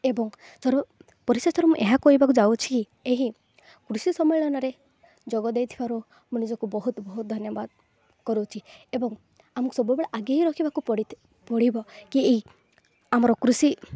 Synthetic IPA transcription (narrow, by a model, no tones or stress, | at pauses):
ebɔŋ | sɔɾɔ | pɔɾisesɔɾɔmũʔeɦakɔɦibakud͡ʒawt͡ʃʰi̥ki | eɦi | kɾusisɔmɔjlɔnɔɾe | d͡ʒɔɡɔd̪ejt̪ʰibaɾu | mũnid͡ʒɔkubɔɦut̪bɔɦut̪̚d̪ʱɔnjɔbad̪̚ | kɔɾot͡ʃʰiebɔŋ | amɔ̃kusɔbujbeɽaʔaɡaɦiɾɔkʰibakupɔɽi | pɔɽibɔkiei | amɔɾɔkɾusi